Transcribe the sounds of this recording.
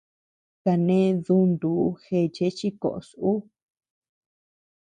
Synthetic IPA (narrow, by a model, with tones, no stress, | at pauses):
ka˨nẽ˦ðu˧˦nd̪uː˨˦xe˧˨t͡ʃe˦t͡ʃi˦ko̰˨ʔo̰˨su˦